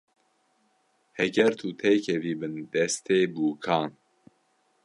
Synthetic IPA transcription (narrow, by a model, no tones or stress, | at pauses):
hɛɡɛɾt̪ʰut̪ʰɛjkʰɛviːbɨnd̪̥ɛst̪ʰeːbuːkʰɑːn